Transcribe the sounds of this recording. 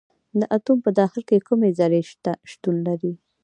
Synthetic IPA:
d̪əʔat̪umpəd̪ɑxɪlkekumezaɾeʃaʃt̪unlaɾi

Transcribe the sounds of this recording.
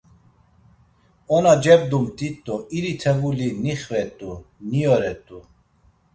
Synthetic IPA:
ɔnad͡ʒɛb̚d̪umt̪ʼit̪ʼːɔiɾit̪ʰɛvuliniχvɛt̪ʼunijɔɾɛt̪ʼu

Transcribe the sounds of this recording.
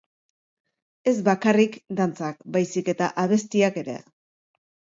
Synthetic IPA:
e̞zbakarikd̪ant͡sak̚bajsike̞t̪a̰ʔaβ̞e̞st̪iake̞ɾe̞̰

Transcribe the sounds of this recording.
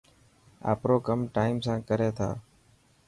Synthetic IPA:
a̰ːpɾoːkəmʈaːɪmsãːkəɾeːt̪ʰa̰ː

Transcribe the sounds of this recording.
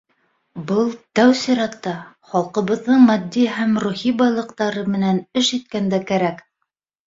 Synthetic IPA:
bɤlˠt̪æwsĭɾæt̪ːɑ | χɑlˠqɤ̆βɤ̆ðːɤɴmæd̪ːiɦæmɾuhibɑjlˠɤ̆qt̪ɑɾɤmɘ̆nænɘʃit̪kænd̪ækæɾæk

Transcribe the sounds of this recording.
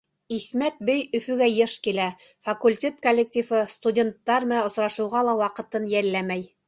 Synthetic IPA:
ismæt̪̚bɘjɵ̆fɵ̆ɡæjɤʃkilæ | fɐkulʲtʲe̞t̪̚kolʲːek̚tʲifɤst̪udʲe̞nt̪ːɑɾmɘ̆næŏsɾɑʃɤ̆wʁɑlˠɑwɑqɤ̆t̪ɤnjælːæmæj

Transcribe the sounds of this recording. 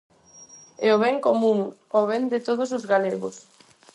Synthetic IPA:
ɛoβɛŋkomũŋ | oβɛnd̪ɪt̪oð̞ʊsozɣaleɣo̰s

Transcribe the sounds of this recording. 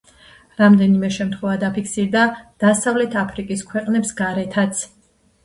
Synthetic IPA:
ɾamd̪ɛnimɛʃɛmt̪ʰχwɛvad̪apʰikʰsiɾd̪ad̪̥asavlɛt̪ʰapʰɾikʼiskʰwɛqʼnɛpsɡaɾɛt̪ʰat̪sʰ

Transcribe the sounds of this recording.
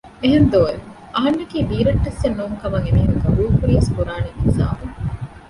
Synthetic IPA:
eɦend̪oːe | ʔɐɦɐnːɐkiːbiːɾɐʈːesːɐnːuːŋkɐmɐŋemiɦuŋɡɐbuːkuɾiʋeskuɾaːneɡiza̰ːmu

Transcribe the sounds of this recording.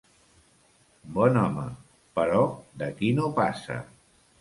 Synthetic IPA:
bɔnɔmə | pəɾɔd̪əkinopasə̰

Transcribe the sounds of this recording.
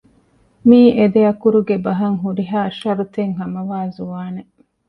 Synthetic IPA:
miːʔed̪eɐkuɾuɡebɐɦɐŋɦuɾiɦaːʃɐɾut̪eŋɦɐmɐʋaːzuʋaːne

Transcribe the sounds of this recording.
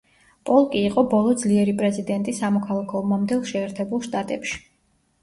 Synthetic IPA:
pʼɔlˠkʼiːqʼɔbɔlˠɔd̪zliɛɾipʼɾɛzid̪ɛnt̪ʼisamɔkʰalˠakʰɔmamd̪ɛlˠʃɛːɾt̪ʰɛbulˠʃt̪ʼat̪ʼɛpʃi̥

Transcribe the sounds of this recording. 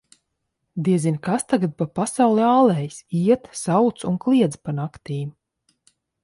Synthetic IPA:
d̪iɛzinkast̪aɡad̪̚papasawlˠiaːlˠɛjsiɛt̪sawt̪sunklˠiɛd̪zpanakt̪iːm

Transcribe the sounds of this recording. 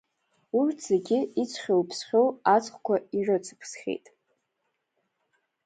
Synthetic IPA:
urtʰz̥eɡʲɪit͡sʷʰχʲowpʰsχʲowat͡sʼχʷkʷʰairɨt͡sʰɨ̥pʰsχʲḛjtʼ

